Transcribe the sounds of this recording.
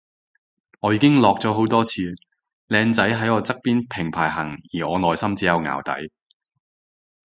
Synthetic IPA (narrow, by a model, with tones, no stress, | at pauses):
ŋɔː˨˧jiː˧kɪ˥ŋlɔː˨k̚t͡sɔː˨˥ɦo˨˥wt̪ɔː˥t͡sʰiː˨˧ | lɛː˧nt͡sɐ˨˥jɦɐ˨˥jɔː˨˧t͡sɐ˥k̚piː˥npʰɪ˨˩ŋpʰaː˨˩jɦɐ̰˨˩ŋjiː˨˩ɔː˨˧nɔː˨jsɐ˥mt͡siː˨˥jɐ˨˧wŋa̰ː˨˩wt̪ɐ̰˨˥j